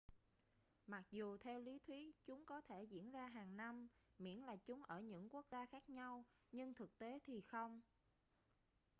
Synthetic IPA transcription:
ma˨˩k̚zu˨˩t̪ʰɛ˧wli˨˦t̪ʰwi˨˦t͡ɕʊ˨˦ŋ͡mkɔ˨˦t̪ʰe˧˩zḭ˧˥ənzaː˧ɦaː˨˩ŋna˧mmḭ˧˥ənlaː˨˩t͡ɕʊ˨˦ŋ͡mʔəː˧˩ɲɨ̰˧˥ŋku˦˥ək̚zaː˧xaː˦˥k̚ɲa˧w | ɲɨ˧ŋt̪ʰɨ˨˩k̚t̪e˨˦t̪ʰi˨˩xə˧wŋ͡m

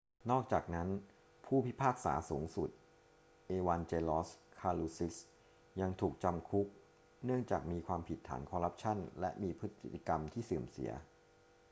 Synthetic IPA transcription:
nɔː˥˩k̚t͡ɕaː˨˩k̚na˦˥n | pʰuː˥˩pʰi˦˥pʰaː˥˩k̚sa̰ː˩˦suː˩˦ŋsu˨˩t̪̚ | ʔeː˧waː˧nt͡ɕeː˧lɔː˦˥skʰaː˧luː˧si˦˥s | ja˧ŋt̪ʰuː˨˩k̚t͡ɕa˧mkʰu˦˥k̚ | nɯ˥˩əŋt͡ɕaː˨˩k̚miː˧kʰwaː˧mpʰi˨˩t̪ʰːa̰ː˩˦nkʰɔː˧ɾa˦˥p̚t͡ɕʰa˥˩nlɛ̰˦˥ʔmiː˧pʰɾɯ˦˥t̪ʰːi˧˩i˧˩ka˧mt̪ʰiː˥˩sɯː˨˩msḭ˨˩˦ɐ

